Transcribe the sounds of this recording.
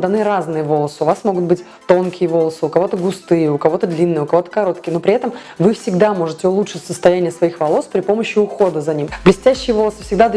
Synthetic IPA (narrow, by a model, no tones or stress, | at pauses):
d̪ɐnɨɾaznɨjəvo̞lˠəsɨʊvasmo̞ɡʊt̪̚bɨtʲ | t̪o̞nkʲɪjəvo̞lˠəsɨʊkɐvo̞t̪əɡʊst̪ɨjəʊkɐvo̞t̪əd̪lʲinːɨjəʊkɐvo̞t̪ə̥kɐɾo̞t̪̚kʲɪjnopɾʲɪɛt̪əm | vɨfsʲɪɡd̪amo̞ʐɨtʲɪʊlˠutʂɨtʲsəst̪ɐjænʲɪjəsvɐixvɐlˠo̞spɾʲɪpo̞məɕːɪʊxo̞d̪əzɐnʲimblʲɪsʲtʲæɕːɪjəvo̞lˠəsɨ̥fsʲɪɡd̪ad̪